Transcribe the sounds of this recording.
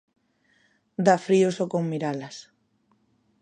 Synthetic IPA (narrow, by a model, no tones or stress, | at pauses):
d̪afɾiosokoŋmiɾalas